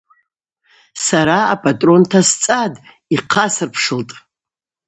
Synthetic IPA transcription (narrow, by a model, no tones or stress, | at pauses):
saɾaːpʰʼatʼro̞ntʰast͡sʼad | iqʰasɨrpʰʂɨltʼ